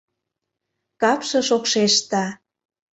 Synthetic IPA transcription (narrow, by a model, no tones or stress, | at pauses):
kɑpʃɤ̆ʃokʃeʃt̪ɑ